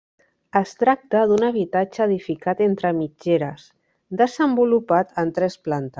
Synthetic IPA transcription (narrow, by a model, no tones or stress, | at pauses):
əst̪ɾak̚t̪əðunəβ̞it̪ad͡ʒəːðifikat̪ent̪ɾəmid͡ʒeɾəs | d̪əzəmbulupat̪ənt̪ɾɛsplant̪ə